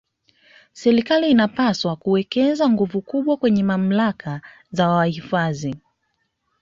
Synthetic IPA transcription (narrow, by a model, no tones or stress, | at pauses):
sɛɾikaliːnapaswakuwɛkɛzaŋɡuvukuɓwakwɛɲɛmam̩laka | zawahifazi